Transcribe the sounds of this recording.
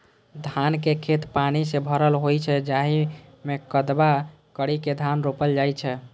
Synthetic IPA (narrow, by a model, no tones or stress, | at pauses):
d̪ʱankekʰet̪panisebʱəɾəlɦojt͡ʃʰɛd͡ʒaɦimekəd̪ba | kəɽiked̪ʱanɾopəld͡ʒajt͡ʃʰɛ